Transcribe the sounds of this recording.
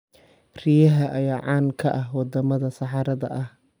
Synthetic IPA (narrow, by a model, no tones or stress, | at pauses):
rijɐɦɐʔɐjaːʕɑːnkʰɐʔɐɦwɑd̪ɐmɐðɐsɑħɑɾɐðɐ̰ʔɐh